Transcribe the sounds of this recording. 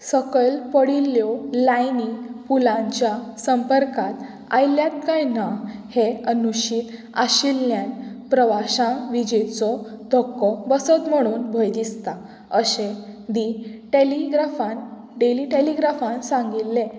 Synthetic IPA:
səkəlpəɽilːjɔlajnipulãɲt͡ɕjasəmpəɾkat̪ | a̰jljat̪̚kajnaheənuɕiːt̪ | aɕilːjanpɾəʋaɕãʋid͡ʑet͡sɔd̪ʱɔkːɔbəsət̪m̤əɽ̃uːnbʱəjd̪ist̪a | əɕẽd̪iʈeliɡɾafãn | ɖeliʈeliɡɾafãnsãŋɡit̪ːẽ

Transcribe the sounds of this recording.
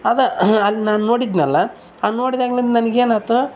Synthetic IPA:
ad̪ɾɐɐlːinaːnuno̞ːɽid̪nɐlːɐ | aːnnːo̞ːɽid̪aːɡlɐnd̪nɐnɐɡeːnaːt̪u

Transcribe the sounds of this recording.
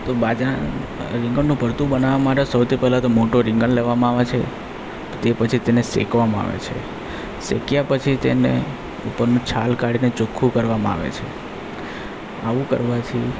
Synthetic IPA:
t̪obad͡ʒaɾɪ̃ŋɡəɳːũpəɾt̪ubənaʋamaʈesəwt̪ʰipɛɦlat̪omoʈoɾɪ̃ŋɡəɳleʋamãaʋet͡ʃʰe | t̪epət͡ʃʰit̪enesḛkʋamãa̰ʋḛt͡ʃʰe | sḛkjapət͡ʃʰit̪enḛ | upəɾnũt͡ʃʰalkaɽinet͡ʃukʰːũkəɾʋamãa̰ʋḛt͡ʃʰe | aʋũkə̰ɾʋat͡ʃʰi

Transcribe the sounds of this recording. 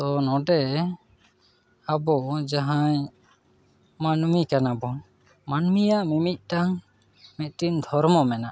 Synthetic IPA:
t̪ɔnɔɖɛ | abɔd͡ʒaɦaɲ | manmikanabɔ | manmijaʔmimit̪̚ˀʈaŋ | mɛt̪̚ˀʈind̪ʱɔɾmɔmɛnaʔ

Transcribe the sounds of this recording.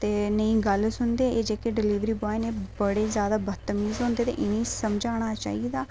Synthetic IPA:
t̪eːnəĩːɡəlsʊnd̪eːeːd͡ʒeːkeːɖɪliːʋɾiːbɔːeneːbəɽeːzjaːd̪aːbət̪əmiːzɦõːnd̪eːt̪ḛːʔɪnĩːsəmd͡ʒaːɽ̃aːt͡ʃa̰ːiːd̪aː

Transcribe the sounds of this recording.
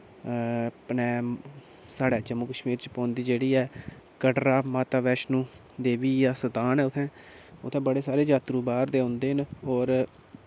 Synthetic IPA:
pnɛ̃ː | saːɖɛːd͡ʒəmːuːkəʃmiːɾt͡ʃpɔ̃ːnd̪iːd͡ʒeːɽiːɛː | kəɖɾaːmaːt̪aːʋɛːʃnũː | d̪eːʋiːjaːsət̪aːnɛːʊt̪ʰɛ̃ː | ʊt̪ʰːɛ̃ːbəɽeːsaːɾeːd͡ʒaːt̪ɾuːbaːɾd̪eːɦʊ̃nd̪eːɦnɔːɾ

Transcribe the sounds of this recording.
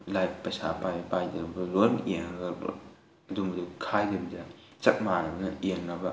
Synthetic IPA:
lajp̚pɐsa̰pajɐpajdɐɾubɐlojmeŋɐɡɐl̰ | ɐdumɐdukʰajdɐbidɐ | t͡ʃɐk̚maɾɐbɐnɐjeŋnɐbɐ

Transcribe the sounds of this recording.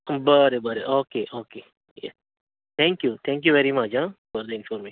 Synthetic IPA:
bəɾebəɾeʔoːkeʔoːke | jɛ | t̪ʰɛ̃ŋkjut̪ʰɛ̃ŋk̬juʋɛɾimɐd͡ʒãbəɾd̪ɪ̃nfɔɾmi

